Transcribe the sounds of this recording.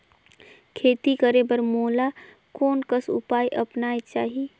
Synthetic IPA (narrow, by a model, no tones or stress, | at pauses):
kʰeːt̪ikəɾebəɾmoːla | koːnkəsʊ̰paːjʔəpnaːet͡ʃaːɦi